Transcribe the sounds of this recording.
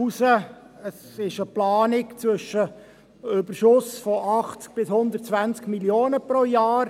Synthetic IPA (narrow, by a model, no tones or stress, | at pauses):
usəəs | ɪʃəplɑːnɪkt͡sʋʏʃːə | ʏbəɾʃʊsfɔʔɑχt͡sk̚b̥ɪshʊnd̪əɾt̚t͡sʋænt͡skmiljoːnəpɾojaɑːɾ